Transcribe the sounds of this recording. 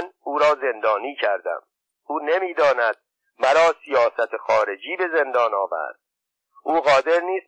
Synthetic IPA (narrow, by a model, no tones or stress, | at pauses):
nuːɾɒːze̞nd̪ɒːniːcʰæɾd̪æ̰m | uːnemiːd̪ɒːnæd̪̥̚ | mæɾɒːsijɒːsæt̪ʰexɒːɾe̞d͡ʒiːbe̞ze̞nd̪ɒːnɒːvæ̰ɾd̪̥̚ | ʔuːɣɒːd̪e̞ɾniːs